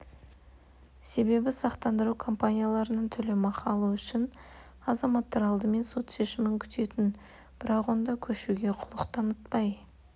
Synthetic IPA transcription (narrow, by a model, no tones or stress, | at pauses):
se̞be̞bɪsɑqt̪ɑnd̪əɾukʰo̞mpanʲijalˠɑɾənəɴt̪ʰʏlɪmɑqɑlˠuʏʃɪn | ɑzɑmɑt̪ːɑɾɑlˠd̪əme̞nso̞t̪ʃe̞ʃɪmɪŋkʲʰʏ̥t̪e̞t̪ɪn | b̥ɪɾɑqwo̞nd̪ɑkʲʰɵʃuɡʲe̞qʰʊlˠəqt̪ʰɑnət̪pɑj